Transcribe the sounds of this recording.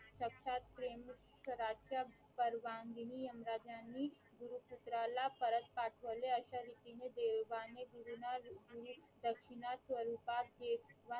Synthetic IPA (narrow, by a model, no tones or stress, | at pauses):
ʃəkʃaːt̪̚pɾeːm | səɾaːʃa | pəɾʋãːnɡ̪iniɐmɾaːd͡ʒani | ɡʊɾuput̪ɾalapəɾət̪̚paːʈʰʋəleɐʃaɾit̪imẽd̪eːʋaneɡuɾunaɡuɾu | d̪əkʃɪnaswəɾuːpaːk̚d͡ʒeːʋa